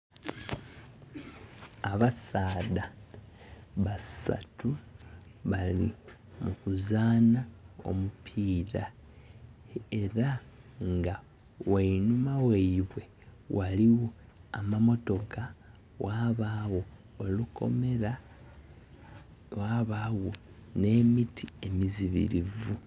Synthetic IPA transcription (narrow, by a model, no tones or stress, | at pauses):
aβasaːða | βasa̰tu | βalḭ | mukuzaːnao̰mupʰiːɾa | eɾaŋɡa | weinumaweiβwe̞ | waliwo | amamo̞to̞kʰa | waβawo̞ː | luko̞̰meɾa | waːβaːwo̞ | ne̞ːmitʰie̞miziβḭɾivu